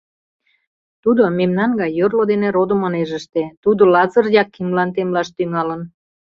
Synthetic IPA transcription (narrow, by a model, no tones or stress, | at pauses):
t̪ud̪omemnɑnɡɑjːørlod̪eneɾod̪əmoneʒəʃt̪et̪ud̪olɑzərjɑkːimlɑnt̪emlɑʃt̪yŋɑlən